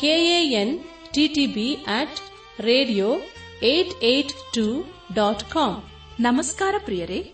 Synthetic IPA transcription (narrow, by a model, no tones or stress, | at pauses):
keːeːen | ʈiʈibiɛːʈ | ɾeːɖijoː | ejʈejʈʈu | ɖaːʈkɔːm | nɐmɐskaːɾɐpɾijɐɾe